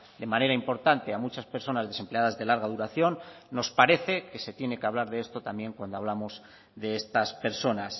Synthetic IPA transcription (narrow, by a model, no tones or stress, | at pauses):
d̪e̞mane̞ɾaimpo̞ɾt̪ant̪e̞amut͡ʃaspe̞ɾso̞nazðe̞se̞mple̞aðazðe̞laɾɣaðuɾaθjo̞nː | o̞spaɾe̞θe̞ke̞se̞t̪je̞ne̞keaβlaɾðeest̪o̞t̪ambje̞ŋkwand̪oaβlamo̞z | ðe̞est̪aspe̞ɾso̞nas